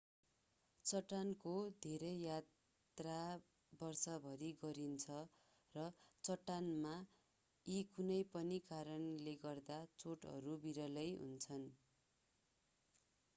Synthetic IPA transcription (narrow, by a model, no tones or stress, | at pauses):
t͡sʌʈːankod̪ʱeɾʌjjat̪ | ra | bʌrsʌbʱʌɾiɡʌɾint͡sʰʌ | rʌt͡sʌʈːanma | ikunʌjpʌnikaɾʌnleɡʌrd̪at͡soʈɦʌ̰ɾubiɾʌlʌjɦṵnt͡sʰʌn